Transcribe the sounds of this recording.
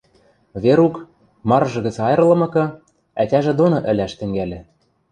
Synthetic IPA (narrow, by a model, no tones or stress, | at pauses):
βeɾuk | mɑrʒɤ̆ɣɘ̆t͡sɑjɤ̆rlɤ̆mɤ̆kɤ̆ | ætʲæʒĕd̪onŏʔɘ̆lʲæʃt̪ɘ̆ŋɡælʲɘ̆